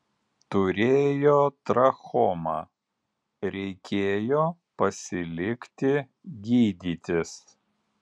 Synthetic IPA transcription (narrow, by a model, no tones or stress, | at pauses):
t̪ʊɾʲeːjoːt̪ɾɐxɔmɑː | ɾʲɛɪkʲʰeːjoː | pɐsʲɪlʲɪkʲt̪ʲɪ | ɡʲiːd̪ʲiːt̪ʲɪs